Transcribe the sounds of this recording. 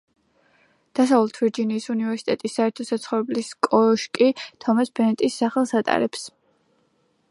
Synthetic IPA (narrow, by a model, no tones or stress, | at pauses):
d̪̥as̬avlˠɛt̪ʰviɾd͡ʒiniːsunivɛɾsi̥t̪ʼɛt̪ʼisːaɛɾt̪ʰɔsat̪sʰχɔvɾɛbliskʼɔʃkʼit̪ʰɔmasbɛnɛt̪ʼisːaχɛlˠsat̪ʼa̰ɾɛps